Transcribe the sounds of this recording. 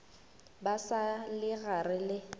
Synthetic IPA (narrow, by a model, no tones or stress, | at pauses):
basalɪɣarɪlɪ